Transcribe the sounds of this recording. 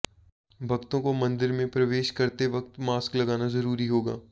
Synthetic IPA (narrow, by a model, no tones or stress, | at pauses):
bʱɐɡt̪õkomɐ̃nd̪ɪɾmẽpɾɐʋeːʃkɐɾt̪eʋɐk̚t̪maːsklɐɡaːnazɐɾuːɾiɦoːɡa̰ː